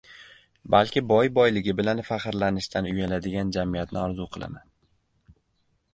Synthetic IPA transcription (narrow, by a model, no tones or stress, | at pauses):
balkʲɪbɒjbɒjlɪɡʲɪbɪlanfaχɨɾlanɪʃt̪ʰanʊjalad̪ɪɡʲand͡ʒamijat̪nɪɒɾzuqʰɨlˠa̰man